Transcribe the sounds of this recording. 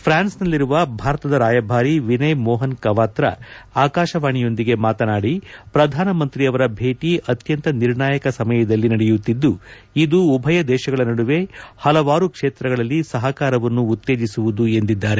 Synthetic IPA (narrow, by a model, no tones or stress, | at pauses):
pʰɾaːnsnɐlːiɾuʋɐbʱaːɾɐt̪ɐd̪ɐɾaːjɐbʱaːɾiʋinɐjmɔːɦɐnkɐʋaːt̪ɾɐ̰aːkaːʃɐʋaːɳijo̞nd̪iɡe̞maːt̪ɐnaːɽipɾɐd̪ʱaːnɐmɐnt̪ɾiɐʋɐɾɐbʱe̞ːʈiʔɐt̪jɐnt̪ɐniɾɳaːjɐkɐsɐmɐjɐd̪ɐlːinɐɽejut̪ːid̪ːu | id̪uːbʱɐjɐd̪ɛːʃɐɡɐɭɐnɐɽuʋe̞hɐlɐʋaːɾukʂeːt̪ɾɐɡɐɭɐlːisɐɦɐkaːɾɐʋɐnːuːt̪ːe̞ːd͡ʒisuʋud̪ue̞nd̪id̪ːaːɾe̞